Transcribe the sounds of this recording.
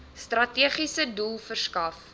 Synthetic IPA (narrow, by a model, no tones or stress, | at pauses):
strɐtiəχisədulˠfərskɐf